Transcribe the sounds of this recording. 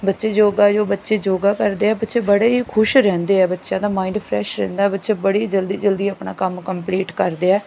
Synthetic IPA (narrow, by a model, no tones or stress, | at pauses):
bətːʃeːd͡ʒoːɡaːd͡ʒoːbətːʃeːd͡ʒoːɡaːkəɾd̪eːɛːbətːʃeːbəɽeːɦikʰʊʃɾɛ̃ːnd̪eːɛːbətːʃjãːd̪aːmaːɪ̃ɳɖpʰɾɛ̰ːʃɾɛ̰̃ːnd̪aːɛːbətːʃeːbəɽed͡ʒəld̪iːd͡ʒəld̪iːaːpna̰ːkəmkəmpliːʈkəɾd̪eːɛː